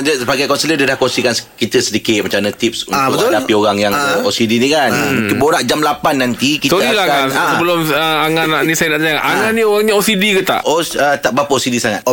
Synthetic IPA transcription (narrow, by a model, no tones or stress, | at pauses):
d͡ʒəsəbaɡajkɔnsələdadahkɔnsikanskit̪əsədikɪt̪̚mat͡ʃamnãt̪ip̚sunt̪ʊbək̪aldapioɾaŋjaŋosidinikanmũkɪnboɾaʔd͡ʒamlapanːant̪ikitsoəilakaaãsəbəlʊməaŋanaʔnisajənaʔt̪aaʔaŋanioɣaŋɲaosidikət̪a̰ʔosət̪aʔbapəʔosidisaŋat̪